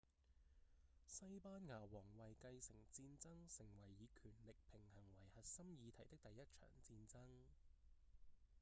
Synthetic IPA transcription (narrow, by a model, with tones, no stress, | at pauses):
sɐ˥jpaː˥nŋaː˨˩wɔː˨˩ŋwɐ˨jkɐ˧jsɪ˨˩ŋt͡siː˧nt͡sɐ˥ŋsɪ˨˩ŋwɐ˨˩jːiː˨˧kʰyː˨˩nlɪ˨k̚pʰɪ˨˩ŋhɐ˨˩ŋwɐ˨˩jhɐ˨t̚sɐ˥mjiː˨˧t̪ʰɐ˨˩jt̪ɪ˥k̚t̪ɐ˨jːɐ˥t̚t͡ʃʰœ̰ː˨˩ŋt͡siː˧nt͡sɐ˥ŋ